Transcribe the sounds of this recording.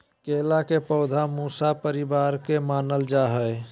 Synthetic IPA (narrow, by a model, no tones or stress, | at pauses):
kelakepəʊd̪ʱamusapəɾibaɾkemanəld͡ʒaɦəj